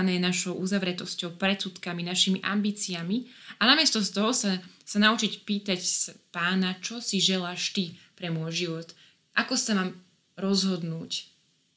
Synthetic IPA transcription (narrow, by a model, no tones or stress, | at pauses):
nɛjɛnaʃɔʊʔuzaʋɾɛt̪ɔscɔʊpɾɛt̪sut̪kaminaʃimiʔa̰mbiːt͡siamianamɪɛst̪ɔst̪ɔɦɔsasanaut͡ʃicpiːt̪acspaːnat͡ʃɔsiʒɛlaːʃt̪ipɾɛmʊɔjʒiʋɔt̪ | ʔakɔsamaːm | ɾɔzɦɔd̪nuːc